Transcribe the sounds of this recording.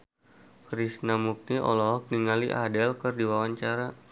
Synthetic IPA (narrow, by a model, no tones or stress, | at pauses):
kɾisnamuk̚niʔɔ̰lɔɦɔk̚niŋaliʔa̰dɛlkərdiwawaɲt͡ʃaɾa